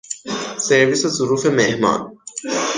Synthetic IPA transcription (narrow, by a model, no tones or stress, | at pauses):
seɾvisezʊɾuːfe̞mehmɒ̰ːn